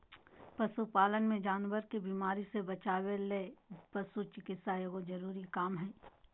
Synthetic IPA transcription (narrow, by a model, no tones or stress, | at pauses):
pɐsupaːlənmẽd͡ʒaːnwəɾkibiːmaːɾisebɐt͡ʃaːwelepɐsut͡ʃɪkɪt̪sajeɡod͡ʒɐɾuːɾikaːmɦɛː